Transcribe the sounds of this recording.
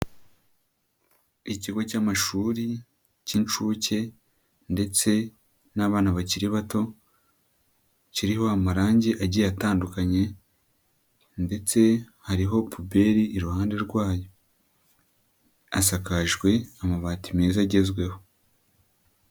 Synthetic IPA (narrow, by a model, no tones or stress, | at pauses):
iciɡocaːmaʃuːɾi | cint͡ʃuːce̞ | nde̞t͡se̞ | naːβaːnuβaciɾiβato̞ | ciɾiho̞amaɾaːɲɟeʔaɟijataːndukaɲe̞ | nde̞t͡se̞ | haɾiɦo̞pʰube̞ɾiʔːɾuhaːnde̞ɾɡwaːjo̞ | asakaʒɡwe̞amaβaːtimeːzaɟe̞zɡwe̞ho̞